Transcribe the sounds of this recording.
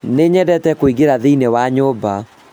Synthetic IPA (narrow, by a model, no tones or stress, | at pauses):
neɲɛdɛtɛkoiɡeɾaðeinewaɲoːba